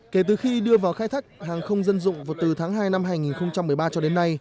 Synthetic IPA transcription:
ke˧˩t̪ɨ˨˩xi˧ɗɨ˧əvaː˨˩wxaː˧jt̪ʰaː˦˥jk̚haː˨˩ŋxə˧wŋ͡mzə˧nzʊ̰˧˨ŋ͡mvaː˨˩t̪ɨ˨˩t̪ʰaː˨˦ŋɦaː˧jna˧mɦaː˧jŋi˨˩nxə˧wŋ͡mt͡ɕa˧mː˨əjɓaː˧t͡ɕɔ˧ɗe˨˦nːa˧j

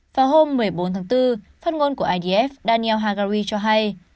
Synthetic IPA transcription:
vaː˨˩wɦo˧mːɨ˨˩əjɓo˨˦nt̪ʰa˨˦ŋt̪ɨ˧ | faː˦˥t̚ŋo˧nku˧˩əʔaː˧jɗi˧˩ʔɛ˦˥f̚ɗaː˧ni˧ɛ˧wɦaː˧ɣaː˧ɾi˧t͡ɕɔ˧ɦa˧j

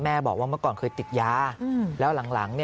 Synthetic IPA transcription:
mɛː˥˩bɔː˨˩k̚waː˥˩m˥˩kɔː˨˩nkʰɤː˧jt̪i˨˩t̪̚jaː˦˥lɛː˦˥wla˨˩˦ŋla̰˩˦ŋni˥˩

